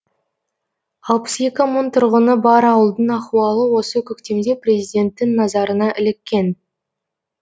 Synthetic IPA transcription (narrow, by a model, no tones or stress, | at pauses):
ɑlˠpə̥se̞kʲɪmənt̪ʰʊɾʁənəbɑɾɑwəlˠd̪əɴɑquwɑlˠəwo̞səkʲʰʏkt̪e̞md̪e̞prʲe̞zijd̪ʲe̞nt̪ːɪŋnɑzɑɾənɑʔɪlɪkʲːe̞n